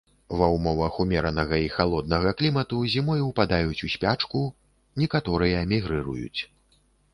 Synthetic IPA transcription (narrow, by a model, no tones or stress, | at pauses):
vɐwmɔvɐxumʲɛɾɐnɐɣɐixalˠɔd̪̚nɐɣɐklʲimɐt̪uzʲimɔjwpad̪ajut͡sʲusʲpʲat͡ʂku | nʲɛkat̪ɔɾɨjɐmʲiɣɾɨɾṵjṵt͡sʲ